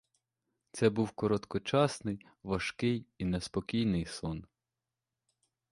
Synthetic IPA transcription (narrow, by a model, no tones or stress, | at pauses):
t̪sɛbuwkɔɾɔt̪kɔt͡ʃɑsnɪj | ʋɐʃkɪjinespɔkʲijnɪjsɔn